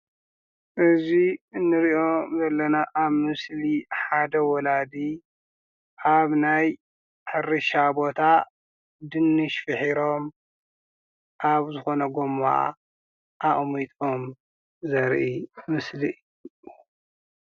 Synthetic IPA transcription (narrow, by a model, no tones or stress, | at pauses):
ʔɨziɨnːɨɾiʔomzɐlːɐnaʔaβmɨsliħad̪ɐwɔlad̪i | ʔaβnaj | ħɨrɨʃabo̞t̪ʰa | d̪ɨnːɨʃfɨħiɾo̞m | ʔaβzɨxo̞nɐɡoma̰ | ʔaʔʼmit̪ʼom | zɐɾʔimɨsliɨjju